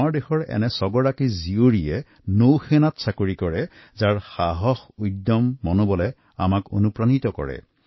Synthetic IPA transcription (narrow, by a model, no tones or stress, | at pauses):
aɹdexɔɹɛ̰nɛsɔɡɔɹakizioɹijɛ | nowxɛnatsakoɹikɔɹɛ | zaɹxaɦɔxujdːɔmːɔnobɔlɛ | amako̰nupɹanitɔkɔ̰ɹɛ̰